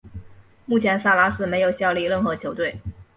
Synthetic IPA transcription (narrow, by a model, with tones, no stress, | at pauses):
mu˥˩t͡ɕʰjɛ˧˥nsa˥˩la˧˥sɹ̩˥˩me˧˥ɪjo˨˩ʊɕjɑ˥˧ʊli˥˧ɻə˥˩nxɤ˧˥t͡ɕʰjo˧˥ʊt̪we˥˩ɪ